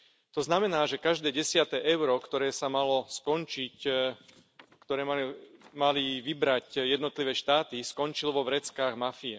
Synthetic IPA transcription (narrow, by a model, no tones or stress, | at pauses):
t̪ɔznamɛnaːʒɛkaʒd̪ɛːɟɛsɪat̪ɛːʔɛʊɾɔkt̪ɔɾɛːsamalɔskɔnt͡ʃic | kt̪ɔɾɛːmaliʋibɾacjɛd̪nɔt̪liʋɛːʃt̪aːt̪iskɔnt͡ʃilʋɔʋɾɛt͡skaːɣmafiɛ